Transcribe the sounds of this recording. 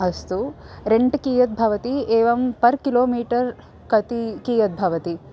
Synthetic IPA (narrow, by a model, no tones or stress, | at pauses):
ɐst̪uɾeɳʈkiːjɐt̪̚bʱɐʋɐt̪ieːʋɐmpɐɾkiloːmiːʈɐɾ | kɐt̪ikiːjɐt̪̚bʱɐʋɐt̪i